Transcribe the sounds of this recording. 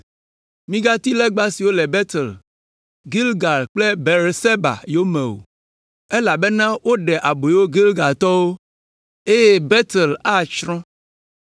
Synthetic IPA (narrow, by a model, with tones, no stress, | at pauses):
mĩ˦ɡa˦t̪i˦lɛ˦ɡ͡ba˦si˨wo˦lɛ˨bɛ˦t̪ɛ˨l | ɡi˦lɡa˨lk͡ple˦be˨ɾse˦ba̰˨jo˦mɛ̃˨wo̰˨ | e˦la˨be˦nã˦wo˦ɖɛ˨ʔa˨bo˨wo˦ɡi˦lɡa˨lt̪ɔ˦wo˦ | e˦jɛ˦be˦t̪e˨la˦t͡ʃɾɔ̃˦